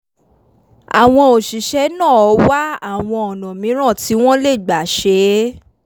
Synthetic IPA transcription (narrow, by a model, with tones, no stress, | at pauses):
a̰˨w̃ɔ̃˧o˨ʃi˨ʃɛ˨˦nãː˦˨ɔ˨˧˦wa˦a˦˨w̃ɔ̃˧ɔ˨nɔ̃˨mĩ˨˦ɾ̃ã˦˨ti˨˦w̃ɔ̃˦le˦˨ɡ͡ba˨ʃe˨˦